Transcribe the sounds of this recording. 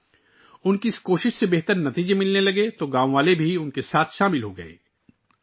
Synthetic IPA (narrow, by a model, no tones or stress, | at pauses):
ʊnkiɪskoːʃɪʃsebeɦt̪əɾnɐt̪iːd͡ʒemɪlnelɐɡet̪oɡãːʋõʋaːlebʱiʊnkesaːt̪ʰʃaːmɪlɦoɡɐ̰ḛː